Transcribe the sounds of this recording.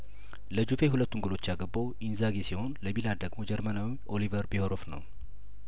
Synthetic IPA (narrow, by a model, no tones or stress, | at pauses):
ləd͡ʒufe̞ɦulət̪ːuŋɡulo̞t͡ʃːjaɡəbːawʔinzaɡesiho̞nləmilad̪əɡmo̞d͡ʒɛɾmənawiʔo̞livəɾbihoɾofnə̰w